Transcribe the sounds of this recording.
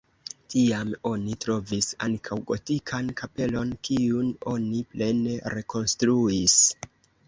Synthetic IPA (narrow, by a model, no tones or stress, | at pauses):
tiamo̞nitɾo̞visaŋkʰawɡo̞tikʰankape̞lo̞nkiuno̞niple̞ne̞ɾe̞ko̞nstɾuis